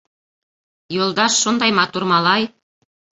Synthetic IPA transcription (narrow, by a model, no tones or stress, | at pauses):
jolˠd̪ɑʃːund̪ɑjmɑt̪urmɑlˠɑj